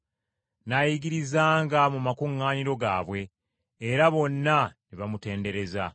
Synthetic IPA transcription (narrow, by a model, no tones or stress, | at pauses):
najiɡiɾizaːŋɡamumakuŋːaːniɾo̞ɡa̰ːβwe̞ː | ɾaβo̞nːaniβamute̞ːnde̞ɾe̞za